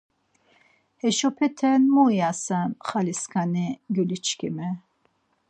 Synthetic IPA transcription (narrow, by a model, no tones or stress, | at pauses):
hɛʃɔpʰɛt̪ʰɛnmujasanχaliskʰaniɡylit͡ʃʰkʰḭmɛ